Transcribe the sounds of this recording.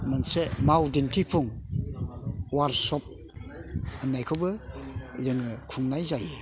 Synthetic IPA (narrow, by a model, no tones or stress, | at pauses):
mansemawdintʰipʰuŋ | waɾsɔp̚ | ɯnːajkʰɯwbɯ | zɯŋɯkʰuŋnajzaje